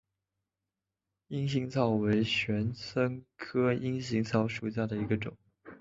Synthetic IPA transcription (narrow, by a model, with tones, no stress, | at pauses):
i˥ŋɕi˧˥ŋt͡sʰɑ˥˩ʊwe˧˥ɪɕɥɛ˧˥nt͡sʰɤ˥ŋkʰɤ˥i˥ŋɕ̬i˧˥ŋt͡sʰɑ˥˧ʊʂu˨˩ɕ̬ja˥˩d̪ə˩i˧˥ɡə˧ʈ͡ʂʊ̰˨˩˦ŋ